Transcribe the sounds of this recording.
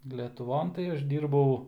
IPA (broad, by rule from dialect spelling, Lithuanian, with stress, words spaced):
lʲɛtʊˈʋoːn tɐɪ ˈɐʃ ˈdʲiːrbɐʊ